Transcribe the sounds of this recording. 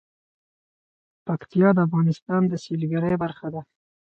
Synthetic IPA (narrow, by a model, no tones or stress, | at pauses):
pakt̪ijɑd̪əafɣɑnɪst̪ɑnd̪əsilɡaɾəjbaɾxad̪a